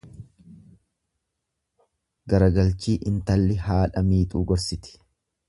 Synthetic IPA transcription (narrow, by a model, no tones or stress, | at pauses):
ɡɐɾɐɡɐlt͡ʃiːʔɪnt̪ɐlːɪhaːᶑɐmiːt̪ʼuːɡɔɾsɪt̪ɪ̥